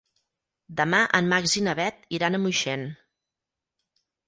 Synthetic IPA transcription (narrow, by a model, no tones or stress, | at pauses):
d̪əmaʔəmːaɡzinəβɛt̪̚iɾanəmujʃɛn